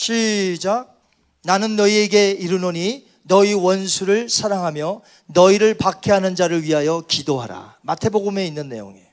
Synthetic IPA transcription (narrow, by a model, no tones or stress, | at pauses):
ɕʰid͡ʑa | nanɯnːʌie̞ɡe̞iɾunoɲi | nʌiwʌnsʰuɾɯɭsʰaɾaŋɦamjʌ | nʌiɾɯɭpakʰeɦanɯnd͡ʑaɾɯɭɥiɦajʌkidoɦaɾa̰matʰe̞boɡume̞inːɯnːe̞̰jo̰ŋḛ